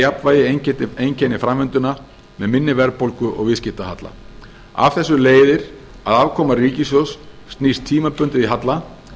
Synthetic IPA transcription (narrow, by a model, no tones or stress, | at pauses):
japnvaːjɪecɛt̪ɪejncʰɛnɪfɾamvɪnt̪ʏna | mɛðmɪnːɪvɛɾpowlkʏʔɔ̰ɣvɪscɪht̪aɦat̪la̰ | a̰vθɛsːʏleːjðɪɾ̥ | aðavkʰɔːmariːcɪsjɔsː | t̪nist̪ʰiːmapʏnt̪ɪiɦat̪la